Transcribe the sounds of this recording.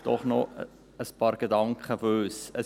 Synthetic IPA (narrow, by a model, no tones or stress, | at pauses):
d̥ɔ̰χnɔ | əspɑːɾɡ̥ed̪ɑŋkχəføsə